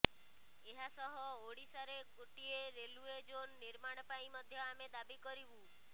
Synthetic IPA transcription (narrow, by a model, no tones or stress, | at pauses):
eɦasɔɦɔoɽisaɾeɡoʈieɾelued͡ʒonːiɾmaɽ̃ɔpaĩmɔd̪ʱjɔamed̪abikɔɾibũ